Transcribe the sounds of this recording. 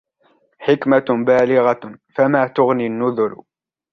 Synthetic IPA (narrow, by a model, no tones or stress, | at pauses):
ħɪkmabaːlɪɣɑfamaːt̪ʊɣninːʊðʊɾ